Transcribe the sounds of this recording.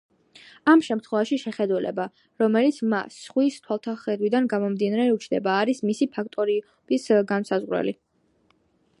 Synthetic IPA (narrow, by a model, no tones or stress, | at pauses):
amʃɛmt̪ʰχwɛvaʃiʃɛχɛd̪ulɛ̰ba | ɾɔmɛlit̪sʰma̰sːχwist̪ʰwalˠt̪ʰaχɛd̪wid̪anɡamɔmd̪inaɾɛut͡ʃʰd̪ɛbaːɾismisipʰak̚ʰt̪ʼɔɾi | b̥isɡansazʁɾɛ̰li